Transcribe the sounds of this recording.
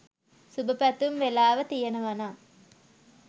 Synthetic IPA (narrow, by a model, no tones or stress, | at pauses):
subəpæt̪umʋelaːʋət̪ijɐnɐʋɐnaː